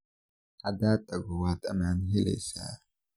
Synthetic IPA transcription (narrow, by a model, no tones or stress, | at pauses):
ad̪at̪ʼaɡowat̪ʼamanɦilḛsa̰